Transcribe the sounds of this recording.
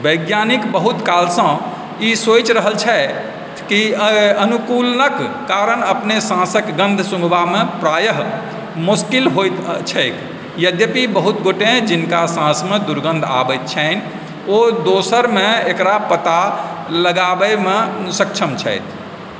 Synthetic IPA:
bəɡjanikbəɦut̪kalsə̃ | isot͡ʃɾəɦəlt͡ʃʰɛ | kiənukulnəkː | aɾənəpnesãsəkɡə̃nd̪ʱsũŋɡʱbamepɾajəɦ | muskilɦojt̪t͡ʃʰɛjk | jəd̪jəpibəɦut̪ɡoʈẽd͡ʒinkasãsmed̪uɾɡə̃nd̪ʱa̰bət̪̚t͡ʃʰən | od̪osəɾmeekɾapət̪a | ləɡabəmesəkt͡ʃʰəmt͡ʃʰɛ̰jt̪ʰ

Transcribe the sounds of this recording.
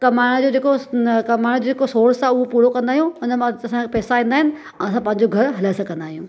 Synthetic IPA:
kɐmaːɪɽ̃d͡ʑoːd͡ʑeːkokɐmaːɪɽ̃d͡ʑod͡ʑeːkosoːɾsaːʊɦopuːɽokɐ̃nd̪aːɦijũɦʊnəmɐsãpɛːsaĩːnd̪aːɦɪnɪ̆ | ɛ̃ɐsãpɐ̃ɦɪ̃ɲd͡ʑoɡʱɐɾɦɐlasɐɡɐ̃nd̪aːɦijũː

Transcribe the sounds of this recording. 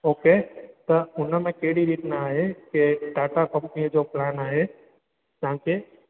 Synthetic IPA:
oːket̪ɐʊnmẽkeɦɪɽiɾiːt̪naaːɦekeʈaːʈakɐmkĩd͡ʒoplaːnaːɦe | d͡ʒaɦãke

